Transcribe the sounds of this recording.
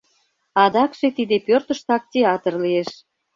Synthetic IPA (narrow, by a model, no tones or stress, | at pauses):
ɑd̪ɑkʃet̪id̪epørt̪əʃt̪ɑk̚tʲeɑt̪ərlieʃ